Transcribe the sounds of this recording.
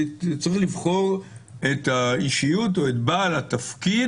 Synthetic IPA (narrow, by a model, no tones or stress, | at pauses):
t͡sʁiχlivχo̞ʁetaiʃijut̬o̞etbaalatafkid